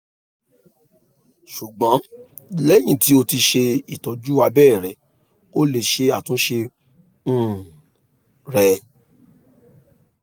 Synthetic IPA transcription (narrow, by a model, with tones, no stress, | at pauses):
ʃu˨ɡ͡bɔ̃˨˦ | lɛ˦j̃ĩ˧˨ti˨˦o˧ti˧ʃe˧i˨tɔ˨d͡ʒu˦a˧bɛː˦˨ɾɛ˨˦ | o˦le˨ʃe˧a˦˨tũ˨˦ʃẽ˧˦ | ɾɛ˧